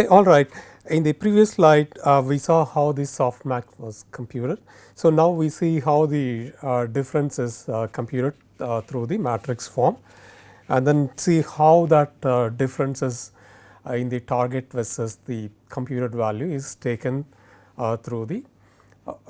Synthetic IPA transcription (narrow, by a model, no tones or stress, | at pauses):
ʔɔːlɾaɪʈ | ɪ̃nd̪ipɾiːʋiəslaɪʈʋiːsɔːhaʊd̪isɔːfʈmækʋɔz̥kʰə̃mpʰjuːʈəɖ | soːnaʊʋiːsiːɦaʊd̪iɖɪfɾə̃nsɪzkə̃mpjuːʈəɖ̚ | t̪ʰɾuːd̪imæːʈɾɪksfɔːɾm | æ̰̃nd̪ɛ̃nsiːhaʊd̪æʈ̚ɖɪfɾə̃nsɪz | ɪ̃nd̪iʈʰaːɾɡeʈʋɛsəsd̪i | kʰə̃mpjuːʈəɖʋæljuɪz̥ʈʰeːkə̃n | t̪ʰɾuːd̪i